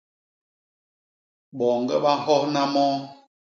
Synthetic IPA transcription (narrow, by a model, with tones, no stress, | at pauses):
ɓɔ˨ŋɡɛ˦ɓa˦˨hɔ˦hna˦mɔ˦